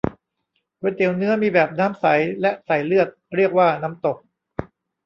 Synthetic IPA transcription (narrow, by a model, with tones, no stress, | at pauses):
wo˧t̪i˩əwnɯ˦˥ɐmiː˧bɛː˨˩p̚naː˦˥msa˩˦jlɛ˦˥ʔsa˨˩jlɯ˥˩ət̪̚ɾi˥˩ək̚waː˥˩naː˦˥mt̪o˨˩k̚